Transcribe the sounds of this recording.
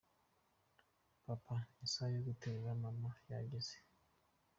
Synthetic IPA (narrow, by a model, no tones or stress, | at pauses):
papʰaisajɔkutʰɛzamamaja̰ɡɛsi̥